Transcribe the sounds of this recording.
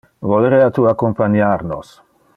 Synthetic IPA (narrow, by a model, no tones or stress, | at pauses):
voleɾeat̪uakompaɲaɾno̰s